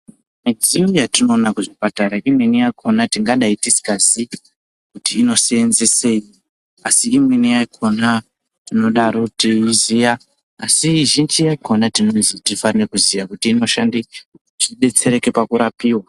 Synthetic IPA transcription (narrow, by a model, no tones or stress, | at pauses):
mid͡zijojatino̞ːnakuʐipataɾaʔimwenijaikʰo̞natiŋɡaɗaitisi̥kasi | kutiːno̞seenzeseːji | asiːmwenijaikʰo̞na | tino̞ɗaɾotizijaː | siʒind͡ʒijaiko̞natino̞nzitifarnekuzijakutiːno̞ʃandi | t͡ʃiɗe̞t͡se̞ɾe̞ke̞pakuɾapiːwa